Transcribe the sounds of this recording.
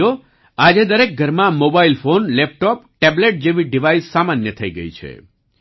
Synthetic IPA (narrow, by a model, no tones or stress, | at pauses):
o | ad͡ʒed̪əɾek̚ɡʱəɾmãmobailfonlɛp̚ʈɔpʈɛbleʈ̚d͡ʒeʋiɖiʋaisːamanjət̪ʰəiɡə̰ḭt͡ʃʰḛ